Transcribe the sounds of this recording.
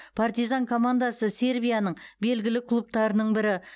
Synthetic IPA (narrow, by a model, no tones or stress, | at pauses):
pʰart̪ijzaŋkʰo̞mand̪ɑsəse̞ɾbijanəɴbe̞lɡʲɪlɪkʰʊlˠup̚t̪ɑɾənəɴbɪɾɪ